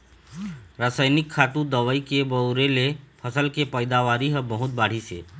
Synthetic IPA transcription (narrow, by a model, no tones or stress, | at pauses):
ɾəsaːɪnɪkʰːaːt̪ũd̪əʋəikebəwɾelepʰəsəlkepəɪd̪aʋaːɾiɦəbəɦʊt̪̚baːɽ̤isḛː